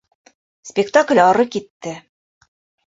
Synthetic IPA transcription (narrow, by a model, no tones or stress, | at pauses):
spʲɪkt̪aklʲɒɾɤkit̪ːɘ